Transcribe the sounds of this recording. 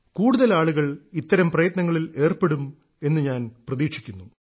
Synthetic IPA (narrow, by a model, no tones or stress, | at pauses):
kuːɽuðɐlaːɭuɣɐɭit̪ːɐɾɐmprɐjɐt̪nɐŋːɐɭile̞ːrpe̞ɽum | e̞nːɨɲaːnprɐðiːkʂikʲːunːu